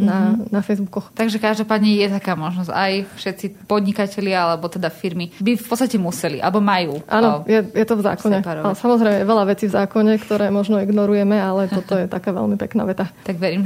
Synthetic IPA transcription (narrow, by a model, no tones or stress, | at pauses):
nanafɛjzbukɔxt̪aɡʒɛkaʒd̪ɔpaːd̪ɲɛjɛt̪akaːmɔʒnɔzajfʃɛt̪sipɔd̪ɲikacɛlɪaalɛbɔt̪ɛd̪afiɾmibifpɔt̪st̪acɛmusɛlḭʔa̰lɛbɔmajuːʔanɔjɛjɛt̪ɔvza̰ːkɔɲɛalɛsamɔzɾɛjmɛjɛʋɛʎaʋɛt͡siːvzaːkɔɲɛkt̪ɔɾɛːmɔʒnɔiɡnɔɾujɛmɛalɛt̪ɔt̪ɔjɛt̪akaːʋɛ̰ʎmipɛ̰kna̰ːʋɛt̪at̪aɡʋɛɾiːm